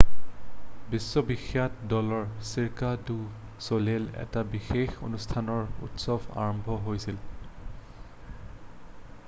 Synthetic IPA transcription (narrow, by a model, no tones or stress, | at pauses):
bisːɔbixjatdɔlɔɹsiɹkadu | solelɛ̰tabixexo̰nustʰanɔɹṵtsɔbʱa̰ɹɔmbʱɔɦojsil